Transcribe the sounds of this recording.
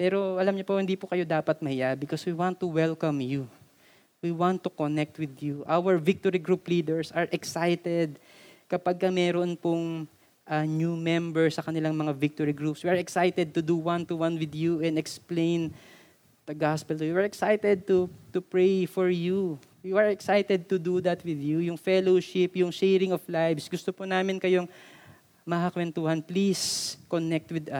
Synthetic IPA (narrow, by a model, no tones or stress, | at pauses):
pɛɾoʔɐlamɲopohɪnd̪ipokɐjod̪aːpɐt̪̚mɐhɪjabɪkoswiwãnt̪ːuwɛlkɐmju | wiwãnt̪ːukonɛk̚t̪wɪd̪juʔawɛɹvɪk̚t̪oɾiɡɾuplid̪ɛɹsɐɹʔɛksajt̪ɛd̪̚ | kɐpaɡ̚kɐmɛɾoʔonpʊŋ | ʔɐnumɛmbɛɹsɐkɐnɪlaŋmɐŋavɪk̚t̪ɔɹiɡɾupswiɐɹɛksajt̪ɛd̪̚t̪ʊd̪uwant̪uwãnwɪd̪juʔɛ̃nd̪ɛksplẽjn | d̪̥ɐɡaspɛlt̪ujiɛɹɛksajt̪ɛd̪̚t̪ut̪ʊpɹɛjfɔɹju | wiʔɐɹɛksajt̪ɛd̪̚t̪ʊd̪ud̪ɐt̪wɪðjujʊŋfɛloʃɪpjʊŋʃɛɾɪ̃ŋɔflajvsɡʊst̪oponaːmɪnkɐjoŋ | mɐakwɛnt̪uːhɐnpliskonɛk̚t̪wɪd̪ɐ